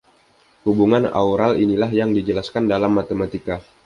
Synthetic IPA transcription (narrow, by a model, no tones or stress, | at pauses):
hubuŋana̰uɾalinilaɦjaŋdid͡ʒəlaskandalamːat̪emat̪ika